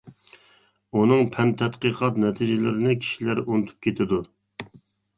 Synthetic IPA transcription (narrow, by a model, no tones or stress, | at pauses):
unɨŋpʰɛmt̪ʰɛt̪qəqʰɑt̪nɛt̪ʰɪd͡ʒɪlɪɾɪnɪkʲʰi̥ʃilæɾunɨt̪ʰu̥p̚kʲʰet̪ʰɪd̪u